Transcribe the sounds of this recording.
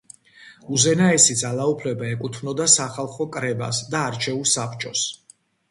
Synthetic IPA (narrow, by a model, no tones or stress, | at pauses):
uzɛnaɛsid̪zalˠaupʰlɛbaɛkʼut̪ʰvnɔd̪asaχalˠχɔkʼɾɛba̰sd̪aːɾt͡ʃʰɛulˠsapʰt͡ʃʼɔs